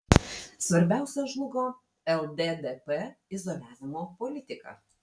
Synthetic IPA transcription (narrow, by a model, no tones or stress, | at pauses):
sʋɐɾʲbʲæˑʊsʲɛʒlˠʊɡoː | ɛlˠd̪ʲed̪ʲɛpɛɪzɔlʲæːʋʲɪmoːpɔlʲɪt̪ʲɪkɐ̰